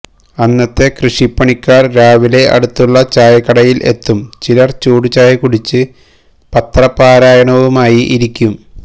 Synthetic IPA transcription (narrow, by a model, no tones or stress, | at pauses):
ɐnːɐt̪ːe̞krɨʂipːɐɳikʲːaːrɾaːʋile̞ʔɐ̰ɽut̪ːuɭːɐt͡ɕaːjɐkːɐɽɐjilʔe̞̰t̪ːumt͡ɕilɐrt͡ɕuːɽut͡ɕaːjɐkuɽit͡ɕːɨ | pɐt̪ːrɐpːaːɾaːjɐɳɐʋumaːjiʔiɾikʲːum